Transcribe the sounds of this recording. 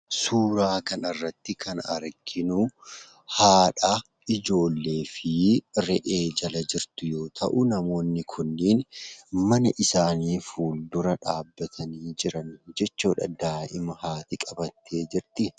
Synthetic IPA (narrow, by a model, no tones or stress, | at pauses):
suːɾaːkɐnɐrːɐt̪ːɪkʰɐnɐ̰ɾɡɪnʊ | haːᶑɐ | ɪd͡ʒo̞ːlːe̞ːfɪɾɛʔeːd͡ʒɐlɐd͡ʒɪɾt̪ʊjo̞ːt̪ʰɐ̰ʔʊnɐmo̞ːnːɪkʰʊnːɪːnmɐnɐʔɪsaːniːfuːld̪ʊɾɐᶑaːbːɐt̪ʰɐniːd͡ʒɪɾɐnd͡ʒɛt͡ʃːuːᶑɐd̪aːʔɪmɐhaːt̪ɪkʼɐbɐt̪ʰːe̞ːd͡ʒɪɾt̪ɪ